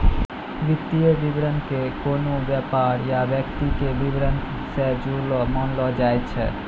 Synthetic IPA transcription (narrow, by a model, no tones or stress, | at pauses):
bit̪ːiebibɾankekonobɛpaɾjabɛk̚t̪ikebibɾan | sɛd͡ʑulomɔnlɔd͡ʑajt͡ɕʰḛ